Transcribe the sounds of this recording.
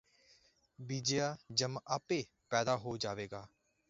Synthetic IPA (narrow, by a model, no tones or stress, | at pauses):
biːd͡ʒejaːd͡ʒəmaːpeː | pɛːd̪aːɦoːd͡ʒaːʋeːɡaː